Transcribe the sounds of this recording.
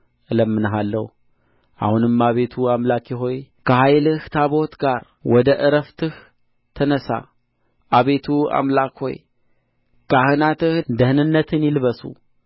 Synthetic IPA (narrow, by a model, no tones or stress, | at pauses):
ʔɨləmːɨnɦalːəh | ʔa̰hunɨmːaβe̞t̪ʰuamlakjɪɦo̞jkʰəhajlɨht̪ʰaβo̞t̪ɡaɾ | wɔd̪əʔɨɾəft̪ʰɨh | t̪ʰənəsa̰ | ʔaβet̪ʰua̰mlakho̞̰j | kahɨnat̪ɨhd̪əhɨnɨnːət̪ʰɨnjɪlɨβəsṵ